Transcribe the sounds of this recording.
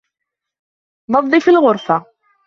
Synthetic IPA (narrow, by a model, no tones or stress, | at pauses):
ðˤɑðˤːifilʁʊɾˤfɑ